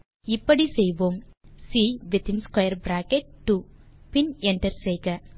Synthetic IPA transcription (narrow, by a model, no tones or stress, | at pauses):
ɪpːɐɽisejʋoːmsiːʋɪt̪ʰɪ̃nskwɐjɐɾbɾaːkeʈ̚ʈːu | pɪnɛɳʈɐɾsejɡɐ